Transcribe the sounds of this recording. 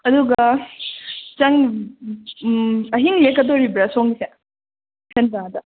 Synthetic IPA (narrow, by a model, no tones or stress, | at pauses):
ɐd̪uɡɐ | t͡ʃɐŋ | ɐɦiŋmekɐtoɾibɾɐsoŋse | pʰentaŋd̪ɐ